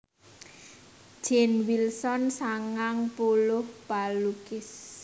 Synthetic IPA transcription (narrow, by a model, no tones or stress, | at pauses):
d͡ʒ̥ɛnwilsɔnsaŋaŋpolʊhpalukɪs